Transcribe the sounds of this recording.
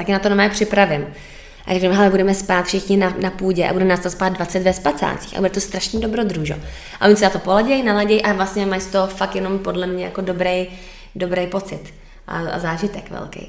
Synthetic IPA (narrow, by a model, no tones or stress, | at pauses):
t̪akɪnat̪onamɛːpr̥ɪpɾavɪm | ʔa̰ɾɛknumɦɛlɛbudɛmɛspaːt̪fʃɪxɲɪnanapuːɟɛʔa̰budɛnaːst̪aspaːd̪̚dvat͡sɛt̪vɛspat͡sa̰ːt͡si̥ːxʔa̰budɛt̪ost̪ɾaʃnido̞bɾod̪ɾuʒo̰ | ʔa̰ʔoɲsat̪opolaɟɛjnalaɟɛjʔavlast̪ɲɛmajsɪ̥t̪o̞fak̚t̪jɛno̞mpo̞dlɛmɲɛjako̞dobɾej | do̞bɾejpo̞t͡sɪt̪ | ʔa̰a̰zaːʒɪt̪ɛkvɛ̰lkḛj